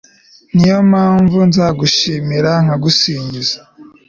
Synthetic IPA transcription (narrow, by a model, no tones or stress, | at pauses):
nijomaːɱvunzaːɡuʃimiɾaŋ̥aɡusiːɲɟizḁ